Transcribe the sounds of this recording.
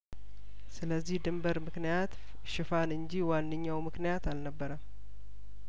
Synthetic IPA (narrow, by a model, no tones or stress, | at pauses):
sɨləzːihd̪ɨmbəɾmɨknijat̪ | ʃɪfanɨɲd͡ʒiwanːɨɲːawmɨknijat̪alnəbːəɾəm